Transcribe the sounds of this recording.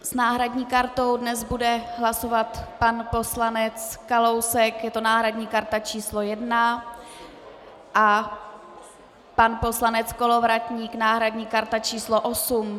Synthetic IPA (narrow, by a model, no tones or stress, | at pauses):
snaːɦɾadɲiːkaɾt̪o̞wdnɛzbudɛɦlaso̞vat̪panpo̞slanɛt͡skalo̞wsɛkjɛt̪onaːɦɾadɲiːkaɾt̪at͡ʃiːslo̞jɛdna | ʔa | panpo̞slanɛt͡sko̞lo̞vɾat̪ɲiːknaːɦɾadɲiːkaɾt̪at͡ʃiːsloʔo̞sum